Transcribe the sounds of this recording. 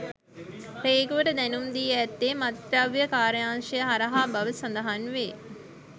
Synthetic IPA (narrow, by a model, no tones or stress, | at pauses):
reːɡuʋəʈəd̪ɛnumd̪iːɛːt̪ːeːmat̪ɾaʋjəkaːɾəjaːŋʃɐjəɦaɾɐɦaːbɐʋəsand̪ɐɦanʋeː